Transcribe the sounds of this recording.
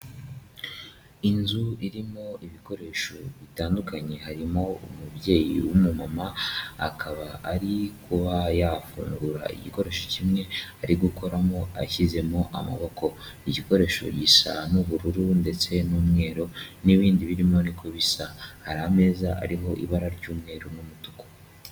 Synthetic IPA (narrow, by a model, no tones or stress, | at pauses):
inzuiɾimo̞iβiko̞ɾe̞ːʃo̞βitaːndukaɲe̞haɾimo̞umubje̞ːjḭwumumamaa̰kʰaβaːɾikuβajafṵːŋɡuɾa̰ḭɟiko̞ɾe̞ʃo̞cimŋe̞aɾiɡuko̞ɾamo̞a̰çize̞mo̞ʔama̰βo̞ko̞iɟiko̞ɾe̞ːʃo̞̰ɟisa̰nuβuɾuɾunde̞t͡se̞numŋe̞ːɾo̞niβiːndiβiɾimo̞nikʰoβisahaɾame̞ːzaʔa̰ɾiɦo̞ʔḭβaɾaɾɟuːmŋe̞ːɾonumutu̥ko̥